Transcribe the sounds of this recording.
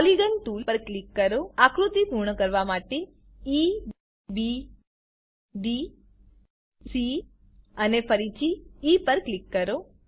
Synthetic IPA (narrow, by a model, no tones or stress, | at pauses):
pɔliɡənʈulpəɾklikːəɾoakɾut̪ipuɾɳəkəɾʋamaʈe | i | bi | bi | si | ənefəɾit͡ʃʰiːpəɾklikːəɾo